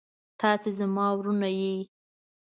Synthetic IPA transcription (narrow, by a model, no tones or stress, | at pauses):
t̪ɑsezamɑwɾunaji